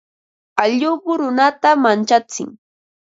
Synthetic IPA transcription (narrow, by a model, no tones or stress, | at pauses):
aʎʊpʊɾʊnat̪amant͡ʃat͡sɪ̰ŋ